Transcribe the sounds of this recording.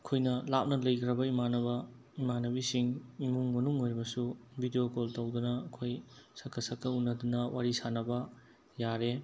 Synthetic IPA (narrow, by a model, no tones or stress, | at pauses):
ɐkʰojnɐlap̚nɐlɐjkʰɾɐbɐimanɐbɐ | imanɐbisiŋimuŋmɐnuŋojɾibɐsubʱidijokoltɐwdunɐːkʰojsɐkʰːɐsɐkʰːɐunːɐdunɐwaɾisanɐbɐ | jaɾe